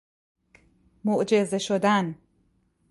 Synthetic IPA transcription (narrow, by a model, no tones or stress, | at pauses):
moʔd͡ʒe̞zeʃod̪æn